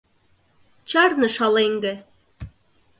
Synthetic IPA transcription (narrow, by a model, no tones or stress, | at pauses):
t͡ɕɑrnɤ̆ʃɑleŋɡɘ̆